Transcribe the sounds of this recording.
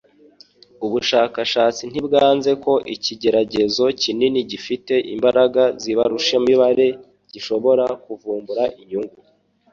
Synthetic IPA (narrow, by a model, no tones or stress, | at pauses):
uβuʃaːkaʃaːt͡sin̥ibɡaːnze̞ko̞ʔiciɟe̞ɾaɟe̞zo̞cininiɟifite̞ʔimbaɾaɡaziβaɾuʃemiβaɾe̞ | ɟiʃo̞βo̞ɾakuvuːmbuɾaʔiɲuŋɡu